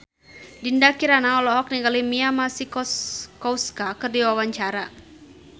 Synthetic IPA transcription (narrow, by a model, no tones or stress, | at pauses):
dindakiɾanaɔlɔɦɔk̚niɡalimiamasikɔskɔwskakɨrdiwawaɲt͡ʃaɾa